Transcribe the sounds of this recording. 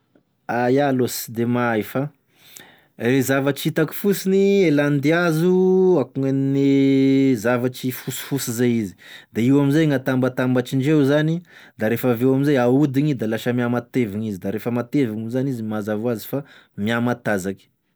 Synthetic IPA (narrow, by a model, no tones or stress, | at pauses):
ajalosd̪emajfa | ezavaʈ͡ʂit̪aki̥fusinieland̪iazuakuŋenne | zavaʈ͡ʂifusi̥fusizajizi̥d̪aiwamizajŋat̪ambat̪ambaʈ͡ʂiɳɖ͡ʐewzani | d̪aɾefavewaminzajaud̪iɲid̪alaʃəmiamat̪eviɲizid̪aɾefəmat̪eviŋuzanizimazavuazi̥fa | miamat̪azaki̥